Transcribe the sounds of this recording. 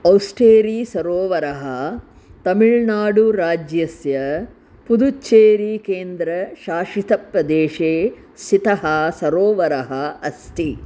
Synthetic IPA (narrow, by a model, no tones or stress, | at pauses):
ɐwsʈeːɾiːsɐɾoːʋɐɾɐɦɐ | t̪ɐmiɭnaːɽuɾaːd͡ʒjɐsjɐ | pud̪ut͡ʃːt͡ʃːeːɾiːkeːnd̪ɾɐʃaːʂit̪ɐpɾɐd̪eːʃeː | sit̪ɐɦɐsɐɾoːʋɐɾɐɦɐɐst̪i